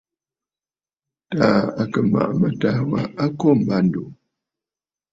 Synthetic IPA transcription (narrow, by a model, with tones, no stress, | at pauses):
taː˨˦a˨kə˨ma̰˨ʔmə˨ta˦wa˨a˦kɔ˦˨m̩˨ba˦˨n̩˨do˨